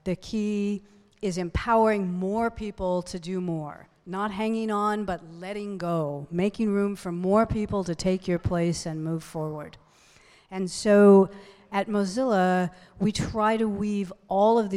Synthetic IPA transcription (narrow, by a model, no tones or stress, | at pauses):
ðɨkʰi | ɪzɨ̃mpʰaʊə˞ɪ̃ŋmɔɹpʰipl̩ˠtʰɨdɨmɔɹ | nət̚ɦæ̃ŋɪ̃ŋə̃nbʌtˡlɛɾɪ̃ŋɡoʊmeɪkɪ̃ŋɹʉ̃ɱfə˞mɔɹpʰipl̩ˠtɨtʰeɪkʰjə˞pʰl̥eɪsɨ̃nmuv̥fɔɹwə˞d | ɨ̃nsoʊ | ɨt̚mozɪlˠə | witʰɹ̥aɪɾəwivʔɔlˠʌvð